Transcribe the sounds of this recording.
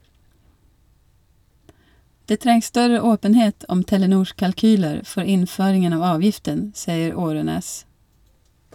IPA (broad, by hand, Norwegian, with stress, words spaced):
ˈdeː ˈtɾɛŋs ˈstœɾə ˈoːpənheːt ˈɔm tɛləˈnuːʃ kɑlˈkyːləɾ ˈfɔɾ ˈɪnˌføːɾɪŋən ˈɑːʋ ˈɑːʋjɪftən ˈsiːəɾ ˈoːɾøːneːs